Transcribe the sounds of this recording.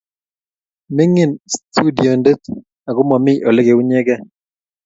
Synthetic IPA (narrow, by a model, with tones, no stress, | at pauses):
me˦ŋi˦˨nstʰu˦di˨o˨nde˦t | a˨ɡʊ˦mɔ˨mɪ˦ʔo˨le˦ɡe˨u˦ɲe˦ɡɛ˦